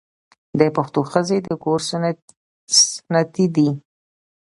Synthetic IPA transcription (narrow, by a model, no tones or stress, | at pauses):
d̪əpaxt̪oxəzed̪əkoɾs | snat̪id̪i